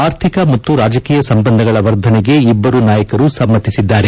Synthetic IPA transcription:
aːɾt̪ʰikɐmɐt̪ːuɾaːd͡ʒɐkiːjɐsɐmbɐnd̪ʱɐɡɐɭɐʋɐɾd̪ʱɐneɡe̞ibːɐɾunaːjɐkɐɾusɐmːɐt̪ːisid̪ːaːɾe

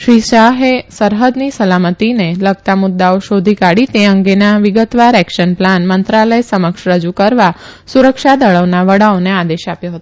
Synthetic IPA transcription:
ʃɾiʃaɦesəɾɦəd̪nisəlamət̪ineləɡ̚t̪amʊd̪ːaoʃod̪ʱikaɽit̪eəŋɡenaʋɪɡət̪ʋaɾɛkʃənplanmənt̪ɾaləjsəməkʃɾəd͡ʒukəɾʋa | suɾəkʃad̪əɭəʋnaʋəɽaonead̪eʃapjoɦət̪o

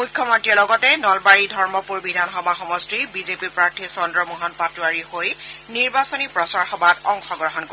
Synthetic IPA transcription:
mujkʰːjɔmɔntɹiɛɹlɔɡɔtɛnɔlbaɹidʱɔɹmɔpuɹbidʱanxɔbʱaxɔmɔstɹibizepiɹpɹaɹtʰisɔndɹɔmuɦɔnpatuaɹihojniɹbasɔnipɹɔsaɹxɔbatɔŋxɔɡɹɔɦɔnko

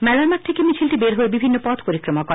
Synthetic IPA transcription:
mɛlaɾmat̪ʰekemit͡ɕʰilʈibeɾɦoebibʱinːopɔt̪ʰpoɾikɾomakɔ

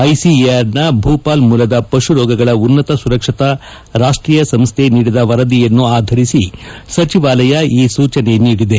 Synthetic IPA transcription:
ɐjsiaɾnɐbʱuːpaːlmuːlɐd̪ɐpɐʂuɾɔːɡɐɡɐɭɐunːɐt̪ɐsuɾɐkʂɐt̪ɐ | ɾaːʂʈɾiːjɐsɐmst̪ʰe̞niːɽid̪ɐʋɐɾɐd̪ijɐnːuaːd̪ʱɐɾisisɐt͡ʃiʋaːlɐjɐiːsuːt͡ʃɐne̞niːɽid̪e̞

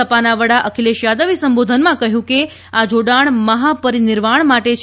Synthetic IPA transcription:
əpanaʋəɽaʔəkʰileʃjad̪əʋisəmbod̪ʱənmãkəɦjũke | ad͡ʒoɽaɳməɦapəɾinɪɾʋaɳ̃maʈet͡ʃʰ

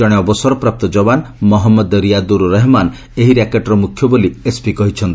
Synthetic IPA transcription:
ɔɽ̃eɔbɔsɔɾɔpɾap̚t̪ɔd͡ʒɔbanmɔɦɔmːɔd̪ɾijad̪uɾuɾeɦman | eɦiɾakeʈɾɔmukʰjɔboliespikɔɦit͡ʃʰɔnt̪i

